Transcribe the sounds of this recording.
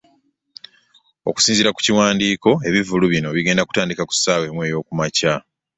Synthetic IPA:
o̞̰ku̥siːnziɾaku̥ciwaːndiːko̞e̞βivuluβino̞βiɡe̞ːndaku̥taːndikaku̥saːwe̞mwe̞ːjo̞ːkumaca

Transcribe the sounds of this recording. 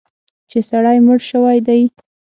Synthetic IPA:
t͡ʃesaɽajməɽʃəwajd̪aj

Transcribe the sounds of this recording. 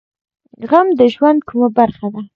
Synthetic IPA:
ɣamd̪əʒwand̪̚kumabaɾxad̪a

